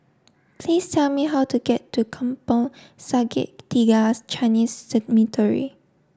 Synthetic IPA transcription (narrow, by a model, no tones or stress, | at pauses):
pʰlistʰɛlmiɦawtuɡɛtːukʰãmpəl | saɡɪ̰ʔ̚tiɡast͡ʃaɪnissɛdmitʰəɹḭ